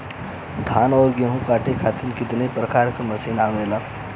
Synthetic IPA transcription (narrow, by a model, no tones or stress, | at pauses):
t̪ʰaːnɔːɾɡeɦũkaːʈekʰaːt̪ʰinkɪt̪nepɾɐkaːɾkɐmɐsiːnaːʋeːlaː